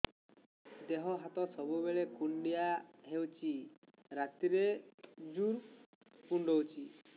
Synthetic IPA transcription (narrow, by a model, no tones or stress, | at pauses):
d̪eɦɔɦat̪ɔsɔbubeɭekuɳɖijaɦewt͡ʃi | ɾat̪iɾed͡ʒuɾ | kuɳɖɔwt͡ʃi